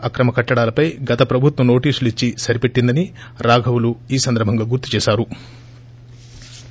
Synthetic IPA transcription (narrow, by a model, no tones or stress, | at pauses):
ɐkɾɐmɐkɐʈːɐɽaːlɐpɐjɡɐt̪ɐpɾɐbʱut̪ʋɐmno̞ːʈiːsulit͡ʃːisɐɾipeʈːind̪ɐniɾaːɡʱɐwuluiːsɐnd̪ɐɾbʱɐŋɡaːɡuɾt̪ːu̥t͡ʃɛːʃaːɾu